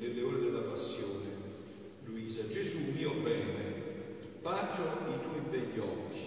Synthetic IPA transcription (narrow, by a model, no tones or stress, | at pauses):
nɪlːeoːɾed̪ɪlːapasːjoːnɪ | luiːsad͡ʒezumːiːobɛːne | pat͡ʃoit̪ɔibɛʎːɔkʰːi̥